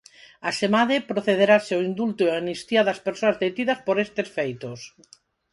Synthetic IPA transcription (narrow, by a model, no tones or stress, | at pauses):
aʃemaðepɾoθeð̞eɾaseoind̪ult̪oeanist̪jaðɐspeɾsoazðet̪iðɐspoɾest̪esfejt̪os